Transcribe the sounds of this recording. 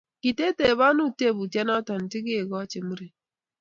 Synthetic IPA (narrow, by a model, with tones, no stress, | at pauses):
ki˨te˦te˨βa˦nu˦˨te˦˨bu˨tja˦na˦ta˨n̩˨ti˦ki˦e˨ɡɔ˦t͡ʃe˨mu˦ɾi˨